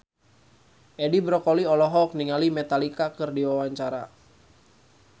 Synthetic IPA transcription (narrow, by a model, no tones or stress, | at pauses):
ʔɛdibɾɔkɔliɔlɔɦɔk̚niŋalimɛt̪alikakɨrdiwawaɲt͡ʃaɾa̰